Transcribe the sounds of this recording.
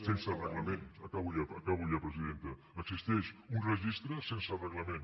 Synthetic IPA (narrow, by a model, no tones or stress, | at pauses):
sensərəɣləmẽnəkaβuʎaəkaβuʎapɾəziðent̪ə | əksist̪ɛʃunrəʒist̪ɾəsensərəɣləmẽn